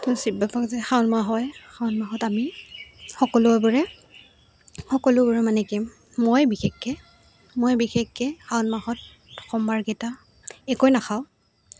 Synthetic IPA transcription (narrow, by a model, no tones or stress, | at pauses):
tʊsibapʰakzɛxaʊnmaɦɔjxʰawʊnmaɦɔtamixɔkɔlʊɔbɔɹɛ | xɔkɔlʊbɔɹɛmanɛkɛm | mojbixexːɛ | mojbixekɡɛxʰaʊnmaɦɔt | ɔkʰɔmbaɹɡeta | ɛkɔjnaxʰaʊ